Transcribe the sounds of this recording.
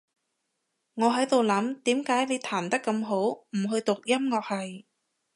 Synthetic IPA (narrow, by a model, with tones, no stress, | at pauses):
ŋɔː˨˧ɦɐ˨˥jt̪o˨wlɐ˨˥mt̪iː˨˥mkaː˨˥jle˨˧jt̪ʰaː˨˩nt̪ɐ˥kːɐ˧mɦo˨˥wm̩˨˩ɦɵ˧ɥt̪ʊ˨k̚jɐ˥mŋɔː˧k̚hɐ˨j